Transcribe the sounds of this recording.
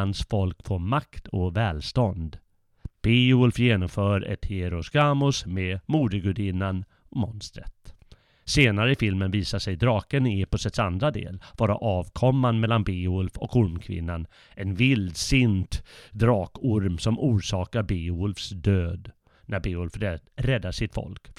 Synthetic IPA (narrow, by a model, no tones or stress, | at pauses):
ansfɔlkfoːmakt̪ʰɔvɛːlst̪ɔnd̪ | b̥eːʊlfjeːnɔmfœːɾɛ̰t̪hɪɛɾʊsɡaːmʊsmemuːd̪əɡʊɖ̪ɪnːan | ɔmɔnst̪ɾə̰t̪ | seːnaɾəɪfɪlmənviːsaʂɛjd̪ɾɑːkənɪepɔsɛt̪sand̪ɾad̪ḛːlvɑːɾa̰ʔɑːvkʰɔmːanmɛlːanbeːʊlfɔ̰kʊɾmkʰvɪ̰nːan | ʔɛnvɪld̪sɪnt̪d̪ɾɑːkʊɾmsɔmuːʂɑːkaɾbeːʊlfsd̪øːd̪ | næɾbeːʊlfɾɛd̪ːaʂɪt̪fɔ̰lk